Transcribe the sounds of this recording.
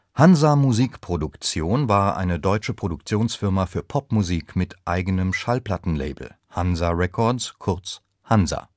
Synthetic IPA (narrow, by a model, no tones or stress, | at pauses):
hanzamuziːkpʁ̥odʊkt͡sjoːnvaːɐʔa̰ɪnədɔʏt͡ʃəpʁ̥odʊkt͡sjoːnsfɪɐmafyːɐpʰɔpmuziːkmɪtʔaɪɡənəmʃalpl̥atn̩lḛɪbl̩ | hanzaʁɛkʰɔɐtskʰʊɐt͡s | hanza̰